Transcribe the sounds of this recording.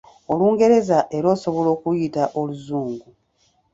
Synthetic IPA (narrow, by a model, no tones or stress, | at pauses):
oluːŋɡe̞ɾe̞zaʔe̞ɾo̞ːso̞βo̞lo̞ːkujitaʔoluzuːŋɡu